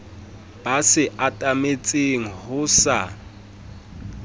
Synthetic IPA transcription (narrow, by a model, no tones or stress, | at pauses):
b̥asɪʔatʼamet͡sʼeŋ̩hʊsa